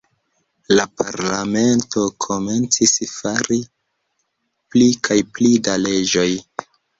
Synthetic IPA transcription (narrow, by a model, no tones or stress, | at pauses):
lapa̰ɾlame̞nto̞kʰome̞nt͡sisfaɾi | plikʰajplidale̞d͡ʒo̞j